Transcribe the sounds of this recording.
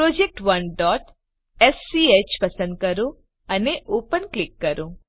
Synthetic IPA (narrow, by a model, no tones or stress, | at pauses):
pɾod͡ʒek̚ʈʋənɖɔʈ | ɛsːiet͡ɕpəsə̃nd̪̚kəɾo | əneʔopənklɪkːəɾõ